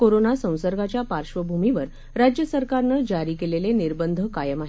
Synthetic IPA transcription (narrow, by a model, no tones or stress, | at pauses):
koɾonasə̃w̃səɾɡʱat͡ɕjapaɾʂʋəbʱumiʋəɾ | ɾad͡ʑjəsəɾkaɾnəd͡ʑaɾiːkeleleniɾbənd̪ʱəkajəmaɦi